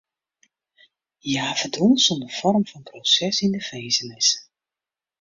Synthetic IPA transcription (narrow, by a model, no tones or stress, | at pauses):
jaːvədunsɔndəv̥ɔrmvɑnprosɛsɪndəvejzənɪs